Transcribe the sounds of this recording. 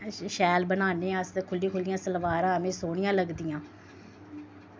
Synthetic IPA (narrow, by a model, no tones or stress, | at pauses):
ʃɛːlbənaːneːəskʰʊlːiːkʰʊlɪjãːsəlʋaːɾãːəmẽːsoːɳɪjãːləɡd̪ijãː